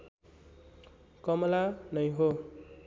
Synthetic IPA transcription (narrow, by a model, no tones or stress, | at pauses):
kʌmʌlanʌjɦo